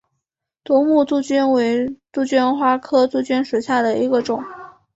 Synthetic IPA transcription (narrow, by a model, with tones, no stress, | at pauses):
t̪wɔ˧˥mu˥˧t͡su˥˩t͡ɕy˥nwe˧˥ɪt͡su˥˩t͡ɕy˥nxwa˥kʰɤ˥t͡su˥˩t͡ɕy˥nʂu˨˩ɕja˥˩d̪ə˩i˧˥ɡə˧ʈ͡ʂʊ˨˩˦ŋ